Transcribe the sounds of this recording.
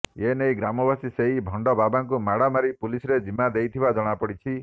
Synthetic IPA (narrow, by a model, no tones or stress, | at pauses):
enejɡɾamɔbasiseɦibʱɔɳɖɔbabaŋk̬umaɽamaɾipulisɔɾed͡ʒimad̪ejt̪ʰibad͡ʒɔɽ̃apɔɽit͡ʃʰi